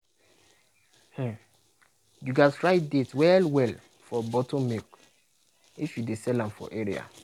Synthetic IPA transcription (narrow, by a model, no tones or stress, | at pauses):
hɛ̃ | juɡatɹaɪt̚detwɛlwɛl | fɔbɔtõmek | ifjudesɛlãmfɔ̰ʔeɾḭa̰